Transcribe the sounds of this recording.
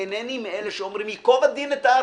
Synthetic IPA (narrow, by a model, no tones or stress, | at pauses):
enenimeeleʃeomɾimjikovad̪inet̪aː